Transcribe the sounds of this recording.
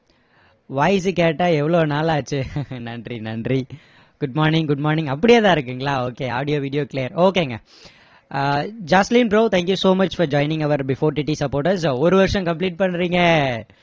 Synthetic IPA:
ʋaːɪs̬ɯkeːʈːaːɛʋːɐɭoːnaːlaːt͡ʃːɯnɐɳɖɾinɐɳɖɾi | ɡ̥ʊɖ̚mɔːɾnɪ̃ŋɡʊɖ̚mɔːɾnɪ̃ŋɐpːɐɽɪjeːt̪ãːɪɾɯkːɯŋɡɐɭaːoːkeːa̰ːɽɪjoːʋiːɽɪjoːklejɐɾoːkeːŋɡɐ̰ | d͡ʒaːslinbɾoːt̪ʰæ̃ːŋkjusoːmɐt͡ʃfɔɾd͡ʒɔːɪnɪ̃ŋɡɐʋɐɾbɪfoːɾʈiːʈːisɐpoːɾʈɐɾsoɔɾɯʋɐɾɪʂɐ̃kɐmp̬liːʈ̚pɐɳːɾiːŋɡɐ

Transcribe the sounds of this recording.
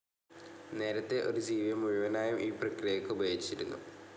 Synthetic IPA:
ne̞ːɾɐt̪ːe̞ʔo̞ɾud͡ʑiːʋijɐmuɻuʋɐnaːjumʔiːprɐkrijɐkːɨubʱɐjit͡ɕːiɾunːu

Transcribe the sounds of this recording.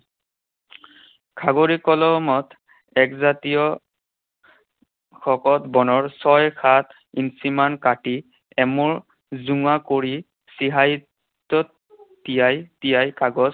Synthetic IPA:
kʰaɡoɹikɔlɔmɔt | ɛkzatijɔ | xʰɔkɔtbɔnɔɹsɔjkʰat | insimankati | ɛmɔɹ | zuŋakoɹi | siɦaj | tːɔtː | ijajtijajkaɡɔs

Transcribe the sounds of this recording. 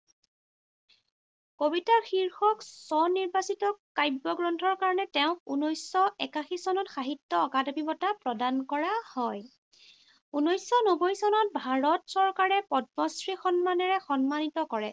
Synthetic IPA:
kobitaɹxiɹxɔksɔniɹbasitɔkajbɔɡɹɔntʰɔɹkaɹɔnɛtɛʊ̃kunojsːɔɛkaxisɔnɔtxaɦitːɔɔkadɔbibɔtapɹɔdankɔɹahɔj | unojsɔnobɔjsɔnɔt̚bʱaɹɔtsɔɹkaɹɛpɔdmɔsɹixɔnmanɛɹɛxɔnmanitɔkɔɹɛ

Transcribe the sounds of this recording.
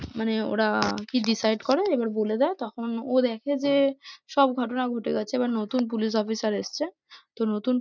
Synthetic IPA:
maneo̰ɾakiɖisajɖkɔɾeebaɾboled̪ɛet̪ɔkʰonod̪ɛkʰed͡ʑeʃɔb̚ɡʱɔʈonaɡʱoʈeɡɛt͡ɕʰeebaɾnot̪unp̬ulis̬ɔfisaɾeʃt͡ɕʰe | t̪onot̪un

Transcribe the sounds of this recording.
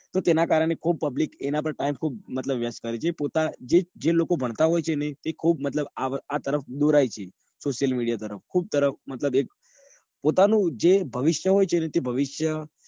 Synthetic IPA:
t̪ot̪enakaɾəɳekʰub̚pəblikenap̬əɳʈaimkʰubmət̪ləbʋjaskəɾet͡ʃʰepot̪ad͡ʒed͡ʒelokobʱəɳ̃t̪aɦojt͡ʃʰenet̪ekʰubmət̪ləbaat̪əɾəfd̪uɾajt͡ʃʰe | soʃjəlmiɽijat̪əɾəfkʰub̚t̪əɾəfmət̪ləbek̚ | pot̪anũd͡ʒebʱəʋɪʃjəɦojt͡ʃʰenet̪ebʱəʋiʃjə

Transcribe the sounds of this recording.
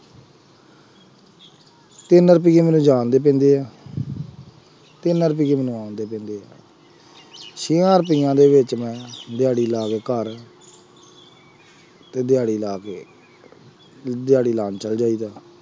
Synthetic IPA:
t̪ɪnəɾəpiːɡemɛːnũːd͡ʒaːnd̪eːp̬ɛ̃ːnd̪eːaː | t̪ɪnəɾəpiːkemɛnũːaːnd̪eːpɛ̃ːnd̪eːa̰ː | ʃiːãːɾəpiːjãːd̪eːʋɪt͡ʃmɛ̃ːd̪ɪjaːɽiːlaːɡeːkəɾ | t̪eːd̪ɪjaːɽiːlaːkeː | d̪ɪjaːɽiːlaːnt͡ʃəld͡ʒaːiːd̪aː

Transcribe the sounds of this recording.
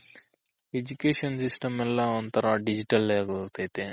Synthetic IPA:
ed͡ʒukeːʃɐnsisʈɐmɛlːɐont̪ʰɐɾɐɖid͡ʒiʈɐlaːɡokt̪ɐjt̪e

